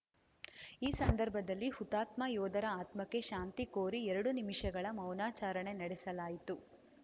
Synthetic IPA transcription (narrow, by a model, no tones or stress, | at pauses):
iːsɐnd̪ɐɾbʱɐd̪ɐlːihut̪aːt̪maːjɔːd̪ɐɾɐaːt̪mɐkːe̞ʃaːnt̪ikoːɾiɛɾɐɽunimiʂɐɡɐɭɐmɐwnaːt͡ʃaːɾɐɳe̞nɐɽɛsɐlaːjit̪u